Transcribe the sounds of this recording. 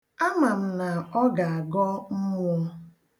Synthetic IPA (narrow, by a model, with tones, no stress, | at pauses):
a˦ma˨m̩˨na˨ɔ˦ɡa˨a˨ɡɔ˦m̩˦mʊ˦